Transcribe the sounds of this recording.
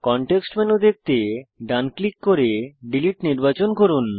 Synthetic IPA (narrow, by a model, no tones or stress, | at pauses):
kɔɳʈeksʈmenod̪ek̚t̪eɖanklikkoɾeɖiliʈniɾbat͡ɕonkoɾun